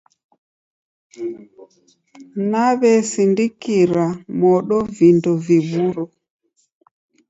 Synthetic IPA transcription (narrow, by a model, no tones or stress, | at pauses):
naβɛsindikiɾamɔɗɔvindɔviβuɾɔ